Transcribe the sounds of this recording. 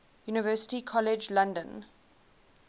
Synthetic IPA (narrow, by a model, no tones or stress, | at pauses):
juːnɪvɜːsɪ̥tikʰɔlɪd͡ʒlãndə̃n